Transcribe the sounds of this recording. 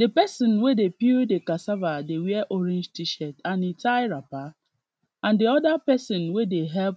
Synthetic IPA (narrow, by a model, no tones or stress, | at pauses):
depɛsɔ̃nwedepidekasavadewɛʔoɾĩnd͡ʒtiʃɛtanitaɪɾapa | ãndeɔdapɛsɔ̃nwedeɦɛlp